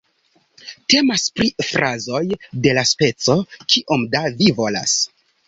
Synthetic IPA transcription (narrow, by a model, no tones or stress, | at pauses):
te̞maspɾifɾʔazo̞jde̞laspe̞t͡so̞kiʔo̞mdavivo̞la̰s